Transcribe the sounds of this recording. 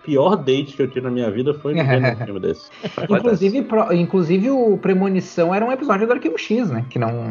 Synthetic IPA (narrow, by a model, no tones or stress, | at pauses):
piɔɾd̪ejt͡ʃɪ̥kɪewt͡ʃ̪ivɪnɐmĩɲɐvid̪ɐfoj̃imʊd̪ḛsɪ̥ĩkluzivɪpɾɔĩkluzivɪʊpɾemonisɐ̃w̃ɛɾɐũepizɔd͡ʒʊd̪ʊaɾkibʊʃiznɛkɪnɐ̰̃w̃